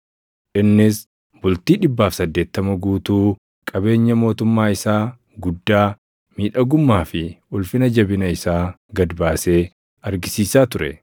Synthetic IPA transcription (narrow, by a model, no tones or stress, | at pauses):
ʔɪnːɪs | bʊlt̪iːᶑɪbːaːfsɐd̪ːe̞ːt̪ːɐmɐɡuːt̪uː | kʼɐbe̞ːɲːɐmo̞ːt̪ʊmːaːɪsaː | ɡʊd̪ːaː | miːᶑɐɡʊmːaːfɪʊlfɪnɐd͡ʒɐbɪnɐɪsaː | ɡɐd̪baːse̞ː | ɐɾɡɪsiːsaːt̪ʊɾɛ̰